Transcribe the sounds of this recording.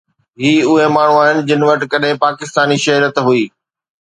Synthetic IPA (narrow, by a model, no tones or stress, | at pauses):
ɦiːʊɦemaːɳ̤ũaːɦɪnɪ̆d͡ʑɪnɪ̆ʋɐʈkɐɗɦẽpaːkɪst̪aːniʃɐɦɾət̪ɦʊiː